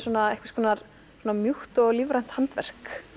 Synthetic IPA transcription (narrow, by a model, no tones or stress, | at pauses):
sɔːnaejhkvaskʰvɔːnaɾ | sɔːnamjuht̪ɔɣliːvɾajn̥t̪hant̪vɛ̰r̥k